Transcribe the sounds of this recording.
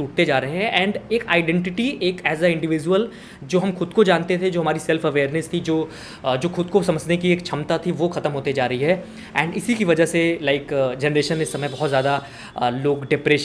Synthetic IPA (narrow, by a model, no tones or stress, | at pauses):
uːʈ̚t̪ed͡ʒaːɾɐɦẽɦɛ̃ʔɛ̃ːɳɖeːkaːɪɖɛ̃ɳʈɪʈieːkɛːzaɪ̃ɳɖɪʋɪːd͡ʒuəl | d͡ʒoːɦɐmxʊd̪kod͡ʒaːnt̪et̪ʰed͡ʒoːɦɐmaːɾisɛlfɐʋeːɾnɪst̪ʰid͡ʒoː | d͡ʒoːxʊd̪̚kosɐməd͡ʒnekieːkt͡ʃʰɐmt̪at̪ʰiʋoxɐt̪əmɦoːt̪id͡ʒaːɾɐɦiɦɛ | ɛ̃ːɳɖɪsikiʋɐd͡ʒaɦselaːɪkd͡ʒɛnəɾeːʃənɪsːɐməjbɐɦɔt̪zjaːd̪a | loːɡɖɪpɾeːʃ